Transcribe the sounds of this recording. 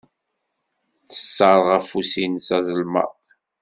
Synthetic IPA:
θə̥sːəɾˤʁæfusinsæzˤəlmɑ̰ðˤ

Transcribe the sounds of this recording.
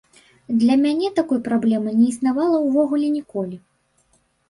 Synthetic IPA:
d̪lʲɐmʲanʲɛt̪akɔjpɾablʲɛmɨnʲɛisnavalˠɐwvɔɣulʲɛnʲɛkɔlʲi

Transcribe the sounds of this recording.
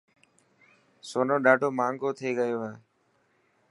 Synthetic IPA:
soːnoːɗaːɖoːmaːŋɡoːt̪ʰeːɠəjoːaː

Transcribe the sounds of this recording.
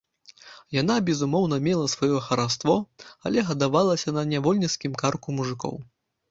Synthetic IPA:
janabʲɛzumɔwn̪ɐmʲɛlˠɐsvɔjɔxɐɾast̪vɔɐ̰lʲɛɣɐd̪avalˠɐsʲɐnɐnʲavɔlʲnʲiskʲimkarkumuʐɨkɔ̰w

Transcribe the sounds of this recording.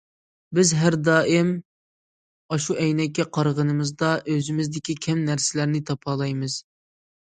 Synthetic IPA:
bɪzɦæɾd̪ɑːʔɪm | ɑʃuʔɛjnɛkʲːɛqʰɑɾʁənɨmɨzd̪ɑʔøzɪmɪzd̪ɪkʲikʲʰɛmnæɾsɪlæɾnɪt̪ʰɑpʰɑːlˠɑjmɨz̥

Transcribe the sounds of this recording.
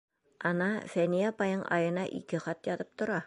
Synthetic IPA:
ɑnɑfænijapɑjɤɴʔɑ̰jɤ̆nɑʔḭkɘχɑt̪jɒt̪ɤp̚t̪ŏɾɑ

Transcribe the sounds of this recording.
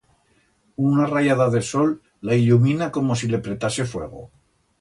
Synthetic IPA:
unarajaðaðe̞so̞lː | ailumĩnako̞mo̞s̬ile̞pɾe̞t̪ase̞fwe̞̰ɣ̞o̞̰

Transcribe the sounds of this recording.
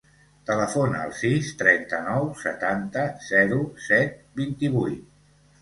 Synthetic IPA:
t̪ələfonəə̰lˠsist̪ɾɛnt̪ənɔwsə̰t̪ant̪əz̥ɛɾusɛt̪̚bint̪iβujt̪

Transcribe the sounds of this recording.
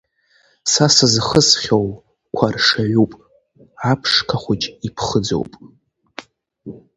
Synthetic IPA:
sasɨzχəsχʲow | kʷʰarʂaʕupʼ | apʰʂkʰaχʷʊt͡ʃʼipʰχəd͡zo̰wpʼ

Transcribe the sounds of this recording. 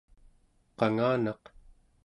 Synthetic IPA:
qɑŋaːnɑq

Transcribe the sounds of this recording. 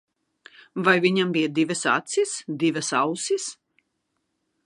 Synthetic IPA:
vajviɲambijad̪ivʲɨsa̰t̪sisd̪ivʲɐsawsis

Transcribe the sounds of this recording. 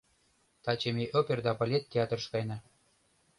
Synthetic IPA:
t̪ɑt͡ɕemʲeʔopʲerd̪ɑpɑlʲet̪̚t̪ʲːeɑt̪ə̆rʃkɑjnɑ

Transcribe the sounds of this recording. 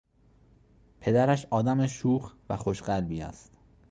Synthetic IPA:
pʰe̞d̪æɾæʃɒːd̪æmeʃuːxvæxo̞ʃɢælbiːæ̰st̪

